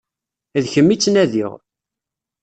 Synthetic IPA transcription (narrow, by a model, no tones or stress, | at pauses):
ðçəmːit͡sːnæðiʁ